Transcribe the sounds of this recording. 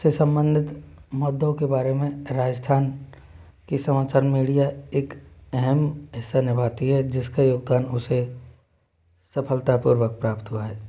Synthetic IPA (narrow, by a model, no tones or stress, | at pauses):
sesə̃mbə̃nd̪ʱɪt̪mɔd̪õkebaːɾemẽɾaːd͡ʒəst̪ʰaːn | kisɐmaːt͡ʃəɾmiːɽijaeːkɛɦɛmɦɪsːanɪbʱaːt̪iɦɛd͡ʒɪskajoːɡ̚d̪aːnʊse | sɐpʰəlt̪apuːɾwək̚pɾaːpt̪ɦuaɦɛː